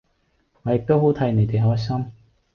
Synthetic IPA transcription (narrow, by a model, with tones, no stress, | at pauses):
ŋɔː˨˧jɪ˨k̚t̪o˥wɦo˨˥wt̪ʰɐ˨˥jne˨˧jt̪e˨jɦɔː˥jsɐ˥m